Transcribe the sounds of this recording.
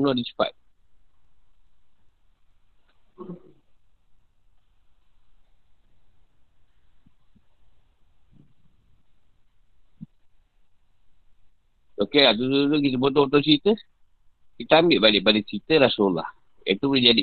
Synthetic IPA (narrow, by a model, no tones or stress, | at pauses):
nɔʔdit͡ʃə̥pa̰t̪̚ | okelat̪̬utuut̪uk̬it̪̬əbot̪ɔbot̪̬ɔʔt͡ʃit̪ə | kit̪əambɪʔbalɪʔbaliʔt͡ʃit̪əɾasola̰h | ɛ̰t̪ubuled͡ʒadi